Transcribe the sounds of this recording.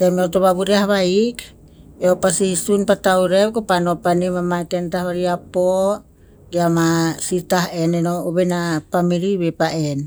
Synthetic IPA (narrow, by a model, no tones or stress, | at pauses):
t̪emeot̪oβaβuɾiahβaik | eopasisunpat̪auɾewkopanopanimamatent̪ahβaɾiapo | ɡiamasitaɦenenooβenapamiɾiβepaʔen